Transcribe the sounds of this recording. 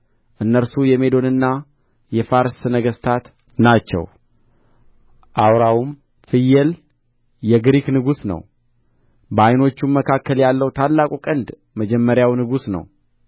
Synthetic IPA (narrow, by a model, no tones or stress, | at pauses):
ʔɨnːəɾsujɛme̞d̪o̞nɨnːa | jɛfaɾsnəɡəst̪ʰat̪ | nat͡ʃːɛ̰w | ʔawɾawum | fɨjɛl | jɛɡɾiknɨɡusnə̰w | bəajno̞t͡ʃːumːəkʰakːəljalːəwt̪ʰalːakʼukʼənd̪ | məd͡ʒɛmːəɾjawnɨɡusnə̰w